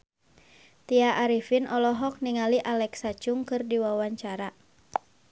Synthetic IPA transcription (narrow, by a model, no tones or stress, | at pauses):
t̪iaʔaɾifinɔlɔɦɔk̚niŋaliʔalɛksat͡ʃʊŋkɨrdiwawaɲt͡ʃaɾa